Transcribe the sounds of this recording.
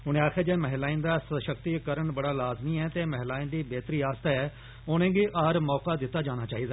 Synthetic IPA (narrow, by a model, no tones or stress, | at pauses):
ɦʊñẽːaːkʰeːd͡ʒeːmɛɦlaːĩnd̪aːsəʃək̚t̪ikəɾəɳbəɽaːlaːzmiɛːt̪eːmɛɦɪlaːĩnd̪iːbeːt̪ɾiːaːst̪aɛː | ʊnẽːɡiʔaːɾmɔːkaːd̪ɪt̪ːaːd͡ʒaːɽ̃aːt͡ʃaːɦiːd̪aː